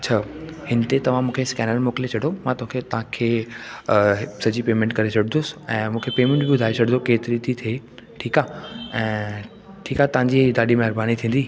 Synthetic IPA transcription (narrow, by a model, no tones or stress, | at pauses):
ɐtt͡ɕʰaːhɪnt̪et̪ɐʋ̤ãmũːkʰeskɛːnəlmoːkɪlet͡ɕʰɐɽomãt̪oɦʊ̃kʰet̪ɐʋ̤ãkʰeː | sɐd͡ʑipeːmẽɳʈkɐɾet͡ɕʰɐɽ̤ɪnd̪ʊsɛ̃ːmũːkʰepeːmẽɳʈbiɓʊd̪ʱaːet͡ɕʰɐɽɪ̃nd̪okeːt̪ɪɾit̪ʰit̪ʰeː | ʈʰiːkaːɛ̃ː | ʈʰiːkat̪ɐʋ̤ãɲd͡ʑid̪aːɗimɛɦɾbaːnit̪ʰĩːn̆d̪iː